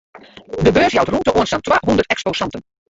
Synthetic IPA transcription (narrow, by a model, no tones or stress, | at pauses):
dəbøːɹsjɑwtruntəʔoənstantʋaːɦɔndərtɛksposɑntən